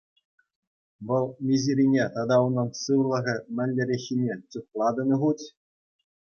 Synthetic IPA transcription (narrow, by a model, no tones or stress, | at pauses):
ʋɤ̆lˠmʲiziɾʲinʲet̪ɑd̪ɑunɤ̆nsɯʋlˠɤ̆ʁʲɘ̆mʲɘ̆nʲːɘ̆ɾʲexʲːinʲet͡suχlˠɑd̪ɤ̆nʲɤ̆ʁutʲ